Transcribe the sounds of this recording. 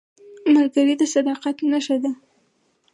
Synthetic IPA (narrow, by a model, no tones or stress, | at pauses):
malɡaɾid̪əsad̪ɑqakenaʃad̪a